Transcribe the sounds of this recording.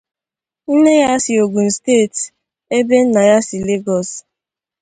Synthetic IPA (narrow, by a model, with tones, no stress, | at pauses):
n̩˦ne˦ja˦sɪ˨o˨ɡu˨n̩˨steː˦˨t | e˦be˦n̩˦na˨ja˦si˨le˦ɡɔ˨s